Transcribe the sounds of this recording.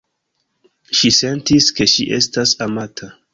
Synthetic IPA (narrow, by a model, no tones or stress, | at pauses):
ʃise̞ntiske̞ʃiʔe̞̰stasamatʰa